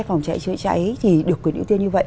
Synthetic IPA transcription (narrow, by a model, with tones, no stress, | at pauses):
jfa˨˩wŋ͡mt͡ɕa̰˧˨jt͡ɕɨ̰˧˨t͡ɕa̰˧˩ʔə˨˦jt̪ʰi˨˩ɗɨ˨əkːwnḭ˧˥˦wt̪i˧ənɲɨ˧və̰˧˨ʔ